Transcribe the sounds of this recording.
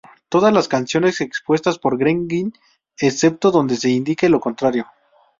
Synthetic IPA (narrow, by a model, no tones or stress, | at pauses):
t̪o̞ðazlaskansjo̞ne̞se̞kspwe̞st̪aspo̞ɾɡɾeŋɡin | esep̚t̪o̞ðo̞nd̪e̞se̞ind̪ike̞lo̞ko̞nt̪ɾaɾjo̞